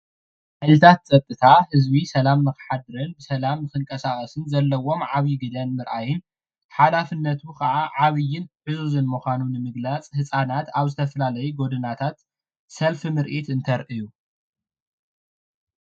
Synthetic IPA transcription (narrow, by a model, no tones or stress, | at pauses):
ħalɨt̪ʰat̪̚t͡sʼɐt̪ʼːɨt̪ʰahɨzbisɐlamnɨxɨ̥ħad̪ɨɾɐnbɨsɐlamnɨxɨŋkʼɐsaχʼɐsɨnzɐlːɐwo̞mʕaβjiɡɨd̪ɐnmɨɾʔajɪn | ħalafɨnːɐt̪ʰukʰɐʕaʕaβɨjːɪnħɨzuzɨnmuxʷanunɨmɨɡlat͡sʼhɨsʼanat̪aβzɨt̪ʰɐfɐlalɐjuɡo̞d̪ɨnat̪ʰat̪ | sɐlfɨmɨɾʔit̪ɨnt̪ʰɐɾʔɨju